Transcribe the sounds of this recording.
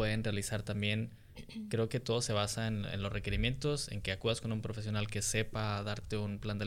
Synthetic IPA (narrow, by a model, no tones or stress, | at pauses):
eðe̞nrealisaɾt̪ambje̞n | kɾe̞oke̞t̪o̞ð̞o̞se̞β̞asaenḛnlo̞zreke̞ɾimjent̪o̞se̞̰ŋke̞akuðasko̞numpɾo̞fe̞s̬jo̞nalke̞se̞paðaɾt̪e̞unpland̪e